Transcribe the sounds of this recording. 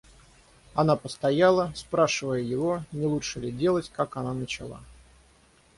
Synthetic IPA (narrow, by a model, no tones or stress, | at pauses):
ɐnapəst̪ɐjalˠəspɾaʂɨvəjəjɪvo̞nʲɪlˠutʂɨlʲɪdʲe̞lˠətʲkakɐnanət͡ɕɪlˠa̰